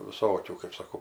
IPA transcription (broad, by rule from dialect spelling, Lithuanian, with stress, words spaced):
ʋʲɪˈsoːkʲuː kɜp sɐˈkɐʊ